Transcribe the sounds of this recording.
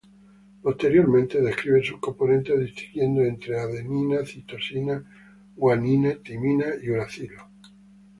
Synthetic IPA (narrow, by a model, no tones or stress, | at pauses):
po̞st̪e̞ɾjo̞ɾmẽnt̪e̞ðehkɾiβensuhko̞mpo̞nẽnt̪eðist̪iŋɡjẽ̞nd̪oent̪ɾeaðenĩnaθit̪o̞sina | waninet̪imĩnaiuɾaθilo